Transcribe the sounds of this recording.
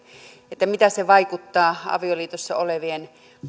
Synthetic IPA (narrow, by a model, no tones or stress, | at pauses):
et̪ːæmit̪æseʋɑikut̪ːɑːɑ̰ʋioliːt̪osːɑoleʋien